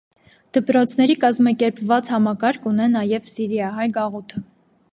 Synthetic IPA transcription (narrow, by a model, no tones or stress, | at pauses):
d̪̥əpɾɔt͡sʰn̪ɛɾikɑzmɑkɛɾpvɑt͡shɑmɑkɑɾkʰunɛnɑjɛvsiɾjɑɦɑjɡɑʁut̪ʰə